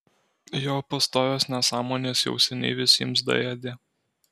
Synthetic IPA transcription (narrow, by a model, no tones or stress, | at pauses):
joːpɐst̪oːʋʲoːsnʲɛsɑːmoːnʲeːsjɛ̰ʊsʲɛnʲɛ̰ɪʋʲɪsʲiɛms̬d̪ɐ̰jɛd̪ʲeː